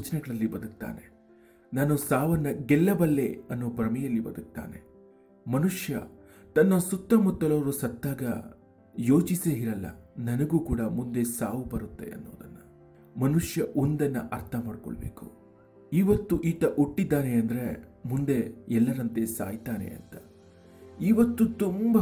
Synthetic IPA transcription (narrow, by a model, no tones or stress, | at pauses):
uːt͡ʃɐnɛɡɐɭɐlːibɐd̪uk̚t̪a̰ːne̞ | naːnusaːʋɐnːɐɡɛlːɐbɐlːe̞̰ɐnːoːbɾɐmɛjɐlːibɐd̪uk̚t̪a̰ːne̞̰ | mɐnuʂjɐ̰ | t̪ɐnːɐsut̪ːɐmut̪ːɐlɐʋɐɾusɐt̪ːaːɡɐ̰ | jo̞ːt͡ʃiseiɾɐlːɐ̰nɐnɐɡuːkuːɽɐmund̪e̞saːʋubɐɾut̪ːe̞̰ɐ̰nːo̰ːd̪ɐnːɐ | mɐnuʂjɐʔond̪ɐnːɐ̰ʔɐɾt̪ʰɐmaːɽkɔ̰ɭɐbḛːku̥ | iʋɐt̪ːuʔiːt̪ɐʔuʈːid̪ːaːneɐnd̪ɐɾemund̪e̞ɛlːɐɾɐnt̪e̞sa̰ːjt̪aːne̞̰ɐ̰nt̪ɐ̥ | iʋɐt̪ːut̪umbɐ